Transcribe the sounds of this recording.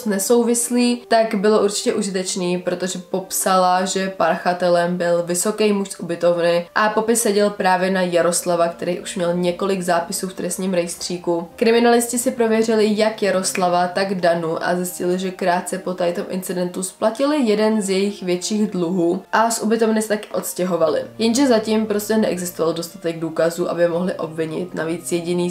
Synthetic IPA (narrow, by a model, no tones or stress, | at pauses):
snɛso̞wvɪsliːt̪aɡbɪlo̞ʔuɾt͡ʃɪ̥cɛʔuʒɪt̪ɛt͡ʃniːpɾo̞t̪o̞ʒɛpo̞psalaʒɛpaɾxat̪ɛlɛmbɪlvɪso̞kɛjmuʃsʔubɪt̪o̞vnɪʔapo̞pɪsːɛɟɛlpɾaːvjɛnajaɾo̞slavakt̪ɛɾiːʔuʃmɲɛlɲɛko̞lɪɡzaːpɪsuːft̪ɾɛst̪ɲiːmɾɛjst̪r̝̥iːkukɾɪmɪnalɪscɪsɪpɾo̞vjɛrɪlɪjakjaɾo̞slavat̪aɡdanuʔa̰zɪscɪlɪʒɛkɾaːt̪̚t͡sɛpo̞t̪ajt̪omʔɪ̰nt͡sɪdɛnt̪usplacɪlɪjɛdɛnzjɛjɪxvjɛt̪t͡ʃiːɣdluɦuːʔasʔubɪt̪o̞vnɪsɛt̪akɪʔo̞t̪scɛɦo̞valɪ̰jɛnʒɛzacimpɾo̞scɛnɛʔɛ̰ɡzɪst̪ovaldo̞st̪at̪ɛɡduːkazuːʔa̰bɪmo̞ɦlɪʔo̞̰bvɪɲɪ̰t̪naviːt͡sjɛɟɪniː